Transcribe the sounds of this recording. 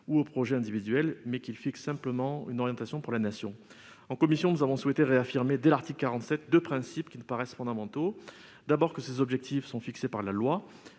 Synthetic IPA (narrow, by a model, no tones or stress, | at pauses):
uopχɔʒɛɛ̃d̪ivid̪ɥɛlmɛkilfiksːɛ̃pləmɑ̃ynɔʁjɑ̃t̪asjɔ̃puʁlanasjɔ̃ | ɑ̃kɔmisjɔ̃nuzavɔ̃swet̪eʁeafiʁmed̪elaʁt̪iklkːaʁɑ̃t̪sɛt̪̚d̪øpχɛ̃sipkʲinəpaʁɛsfɔ̃d̪amɑ̃t̪o | d̪abɔʁkəsezɔbʒɛk̚t̪ʰifsɔ̃fiksepaʁlalwa